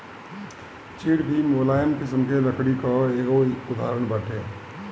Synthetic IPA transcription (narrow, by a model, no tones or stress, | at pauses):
t͡ʃiːɽbʱimoːlaːjəmkɪsəmkeləkɽikaeːɡoʊd̪a̰ːɾəɳbaʈeː